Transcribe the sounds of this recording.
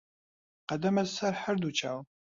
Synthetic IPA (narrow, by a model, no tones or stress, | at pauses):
qɐd̪ɐmɐzsɐɾħəɾd̪ut͡ʃʰa̰ːw